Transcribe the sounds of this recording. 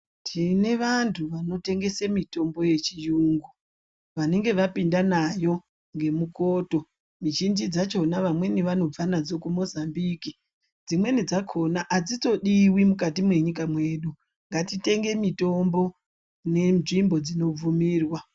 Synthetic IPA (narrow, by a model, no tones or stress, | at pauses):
tʰine̞ʋantʰuʋano̞te̞ŋɡe̞semito̞mbo̞je̞t͡ʃijuŋɡu | ʋane̞ŋɡe̞ʋapindanajo̞ | ŋɡe̞muko̞ːto̞ | mit͡ʃind͡ʒid͡zat͡ʃo̞naʋamwe̞niʋano̞b͡vanad͡zo̞kumo̞zambiki | d͡zimwe̞nid͡zakʰo̞naʔad͡zit͡so̞ɗiwimukatimwe̞ɲik̬amwe̞ːɗu | ŋɡatite̞ŋɡe̞mito̞mbo̞ | ne̞nʐimbo̞d͡zino̞b͡vumiːrwa